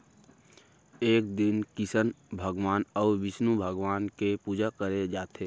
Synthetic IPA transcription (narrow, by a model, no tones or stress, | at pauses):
eːk̚d̪ɪnkɪsən | bʱəɡwaːnɔːɾʋɪsnubʱəɡʋaːnkepuːd͡ʒakəɾed͡ʒaːt̪ʰeː